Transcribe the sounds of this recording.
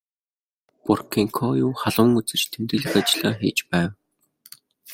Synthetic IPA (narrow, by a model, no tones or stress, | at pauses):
pʊrkʰiŋkʰɔjuːχaɮʊ̆ŋut͡sɘ̆rt͡ɕt̪ʰemt̪ɘ̆ɮɘ̆kat͡ɕɪɮaːxeːt͡ɕpæːw